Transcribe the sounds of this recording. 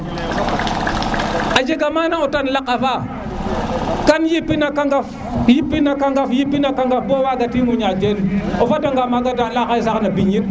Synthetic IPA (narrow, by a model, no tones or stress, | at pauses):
ad͡ʒeɡamanaotanlakafa | kanjipːinakaŋɡaf | jipːinakaŋɡafjipːinakaŋɡafbowaɡatimuɲad͡ʒenofadaŋɡamaɡadalakajsaknabiɲit